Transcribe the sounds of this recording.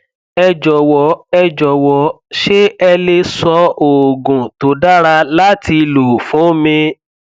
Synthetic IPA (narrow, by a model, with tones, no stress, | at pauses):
ɛ˧d͡ʒɔ˨wɔ˨˦ɛ˧d͡ʒɔ˨wɔ˨˦ | ʃe˦ɛ˧le˧sɔ˧o˨ɡũ˨to˨˦da˦ɾa˧la˦ti˧lu˨fũ˨˦mĩ˧